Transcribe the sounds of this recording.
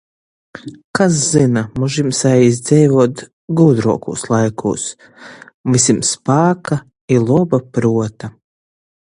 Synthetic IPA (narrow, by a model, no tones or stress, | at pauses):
kas̬zinamuʒimsajizʲd̪zɛjvuɔt̪ | ɡuːd̪ɾuɔkṵːslˠajkʰṵːs | visʲimspaːka | ilˠuɔbapɾuɔt̪a